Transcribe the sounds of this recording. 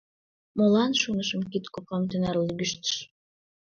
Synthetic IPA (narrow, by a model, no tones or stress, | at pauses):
molˠɑnʃunɤʃəmkit̪kopɑmt̪ønæɾlˠɡʲyʃt̪ə̥ʃ